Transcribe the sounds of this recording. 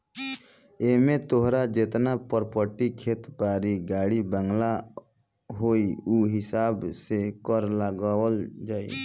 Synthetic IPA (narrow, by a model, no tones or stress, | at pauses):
eːmẽt̪oɦɾad͡ʒet̪napəɾpəʈikʰeːt̪baːɾiɡaːɽibə̃ŋɡla | ɦoːiuɦɪsaːbsekɔɾləɡaːəld͡ʒaːḭ